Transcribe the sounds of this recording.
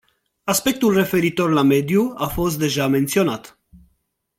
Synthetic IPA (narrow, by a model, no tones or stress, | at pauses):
aspe̞k̚t̪ulre̞fe̞ɾit̪o̞rlame̞d̪juafo̞s̬t̪̚d̪e̞ʒame̞nt̪sio̞nat̪